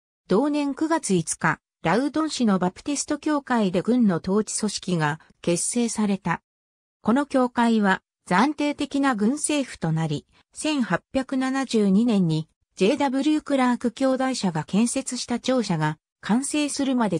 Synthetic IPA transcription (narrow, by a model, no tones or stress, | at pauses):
d̪̥o̞ːnẽ̞ŋkɯ̟ɡat͡sɨit͡sɨ̥ka | ɾaɯ̟d̪õ̞ɰ̃ɕino̞bapɯ̥t̪esɨ̥t̪o̞kʲo̞ːkaid̪e̞ɡɯ̟̃nːo̞t̪o̞ːt͡ɕi̥so̞ɕi̥kʲiɡa | ke̞sːe̞ːsaɾe̞t̪a | ko̞no̞kʲo̞ːkaiβa | d͡zãnt̪e̞ːt̪e̞kʲinaɡɯ̟̃ɰ̃se̞ːɸɯ̟̥t̪o̞naɾʲi | sẽ̞ɰ̃hapʲjakɯ̟nanaʑɨːɲ̟inẽ̞ɲ̟ːi | d͡ʑe̞ːd̪abɯ̟ɾʲɯːkɯ̟ɾaːkɯ̟kʲo̞ːd̪aiɕaɡakẽ̞ɰ̃se̞t͡sɨɕi̥t̪at͡ɕo̞ːɕaɡa | kʰãɰ̃se̞ːsɨɾɯ̟mad̪e̞